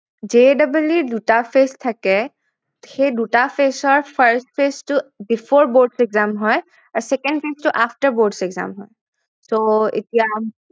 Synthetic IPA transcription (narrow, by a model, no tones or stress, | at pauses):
d͡ʒedabuljuɹdutapʰest̪ʰakɛ | xejdutapʰesɔɹpʰəɹstpʰestʊbifʰɔɹboɹɖsɛɡzamɦɔj | aɹsɛkɛnɖpʰestuʔaftəɹboɹɖsɛɡza̰mɦɔj | soḛtija